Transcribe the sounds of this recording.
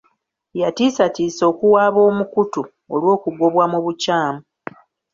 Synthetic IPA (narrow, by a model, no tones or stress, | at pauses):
jatiːsatiːso̞ːkuwaːβo̞ːmukutu | olwo̞ːkuɡo̞βwamuβucaːmu